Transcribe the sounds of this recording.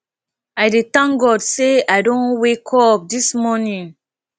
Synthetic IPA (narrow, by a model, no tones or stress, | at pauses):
ajdetãŋɡɔdseajdõnwekʰɔp̚dismɔnĩŋ